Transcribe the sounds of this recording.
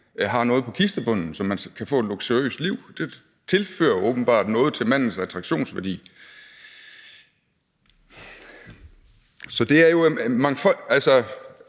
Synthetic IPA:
ɦɑ̈nɔ̽ːð̩ˠpʰɒ̽kʰisd̥ɐb̥ɔ̽n̰n̩sɒ̽mːænkʰæfɔ̰ːed̥loɡ̥seø̰ːsliʊ̰d̥e̝ | t͡sʰe̝lfø̰ːɐɔːb̥n̩b̥ɑ̰̈ːd̥nɔ̽ːð̞̩ˠt͡sʰe̝lmæn̰n̩sæt͡sʰʁɑ̈ɡ̥ɕo̝̰ːnsʋæɐd̥ḭː | sɒ̽d̥e̝æɐjo̝mɑ̈ŋfɒ̽ælsɒ

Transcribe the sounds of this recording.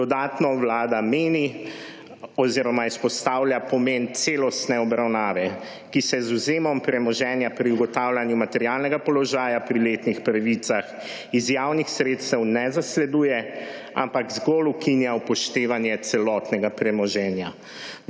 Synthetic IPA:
d̪ɔd̪aːt̪nɔwlaːd̪ameːni | ɔziːɾɔmaispɔst̪aːwljapɔment̪seːlɔst̪nɛɔbɾawnaːʋɛ | kisɛzuzeːmɔmpɾɛmɔʒɛːnjapɾiuɡɔt̪aːwlʲanjumat̪ɛɾjalnɛɡapɔlɔʒaːjapɾilet̪nixpɾaʋit̪sax | izjawnixsɾeːt̪st̪ɛwnɛzaslɛd̪uːjɛ | a̰mpaɡzɡɔlukʰinjaupɔʃt̪eːʋanjɛt̪sɛlɔt̪nɛɡapɾɛmɔʒɛːnja

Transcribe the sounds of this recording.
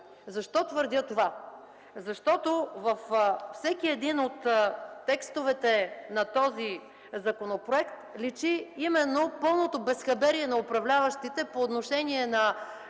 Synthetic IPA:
zɐʃt̪ɔt̪vəɾd̪ʲət̪ova | zɐʃt̪ɔt̪ovəffsɛkiɛd̪inot̪ːɛkst̪ovɛt̪ɛnɐt̪ɔzi | zɐkonopɾoɛkt̪lit͡ʃiimɛnːopɤlˠnot̪obɛsxɐbɛɾiɛnɐopɾɐvlʲavəʃt̪it̪ɛpoːt̪noʃɛnʲiɛnɐ

